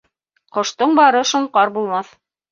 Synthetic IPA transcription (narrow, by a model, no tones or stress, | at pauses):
qŏʃt̪ɤɴbɑɾɤʃŏɴqɑɾbulˠmɑθ